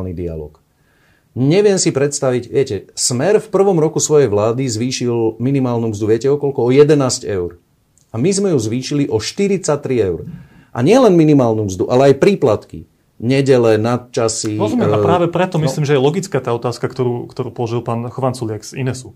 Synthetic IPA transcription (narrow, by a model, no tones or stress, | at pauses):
lnid̪ia̰lɔ̰ːk | ɲɛʋɪɛmsipɾɛt̪st̪aʋiɟʋɪɛcɛsmɛɾfpr̩ʋɔmɾɔkusʋɔjɛjʋlaːd̪izʋiːʃilminimaːlnuːmzd̪uʋɪɛcɛɔkɔlkɔɔjɛd̪ɛnaːscɛʊɾ | amizmɛjuzʋiːʃiliʔɔʃt̪iɾit͡sat̪ɾiɛʊɾ | ʔa̰ɲɪɛlɛnminimaːlnuːmzd̪uʔalɛajpɾiːplat̪kḭ | ɲɛɟɛlɛnat̪̚t͡ʃasiɔzmɛapɾaːʋɛpɾɛt̪ɔmiliːmʒɛjɛlɔɡit͡skaːt̪aːɔt̪aːskakt̪ɔɾuːkt̪ɔɾuːpɔlɔʒilˠpaːnxɔʋansulɪakz̥ḭnɛsu